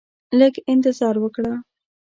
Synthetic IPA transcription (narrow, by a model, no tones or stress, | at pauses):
ləɡɪnt̪ɪzɑɾwəkɽa